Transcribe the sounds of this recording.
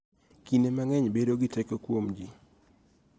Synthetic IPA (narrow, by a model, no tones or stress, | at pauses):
kinemaŋɛɲbedoɡɪtɛkɔkwomd͡ʒi